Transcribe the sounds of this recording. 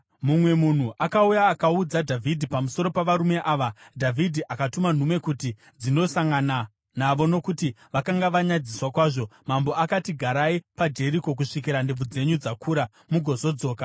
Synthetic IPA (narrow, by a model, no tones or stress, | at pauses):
mumwe̞mun̤uʔakaujaːkaud͡zadʱavʱidʱipamuso̞ɾo̞paʋaɾume̞ʔaːʋadʱavʱidʱiʔakatuman̤umwe̞kuti | d͡zino̞saŋɡana | naʋo̞no̞kuti | ʋakaŋɡaʋaɲad͡ziswakwaːʐo̞mambo̞akatiɡʱaɾaipad͡ʒe̞ɾiko̞k̬uʂik̬iɾandeb͡vud͡ze̞ɲud͡zakʰuɾa | muɡʱo̞zo̞d͡zo̞ːka